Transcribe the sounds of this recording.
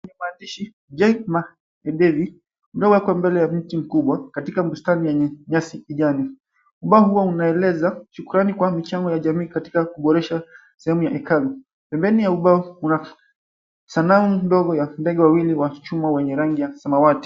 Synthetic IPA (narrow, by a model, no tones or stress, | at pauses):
ɲɛmatiʃi | d͡ʒɛkma | ɛɗɛvi | ulawakwambɛlɛjam̩tim̩kuɓwakatikam̩bustanijɛɲɛɲasikiʄani | uɓaɔhuwaunaɛlɛzaʃukuɾanikwamit͡ʃaŋɡɔjaʄamiːkati̥kakuɓɔɾɛʃa | sɛhɛmujaʔɛkalu | pɛmbɛnijauɓaɔuna | sanamundɔɡɔjandɛɠɛwawiliwat͡ʃumawɛɲɛɾaŋɡijasamawati̥